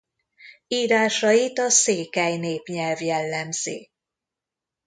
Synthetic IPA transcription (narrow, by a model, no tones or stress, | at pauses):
iːɾaːʃɒjit̪ɒseːkɛjneːpɲɛlvjɛlːɛmz̥ḛː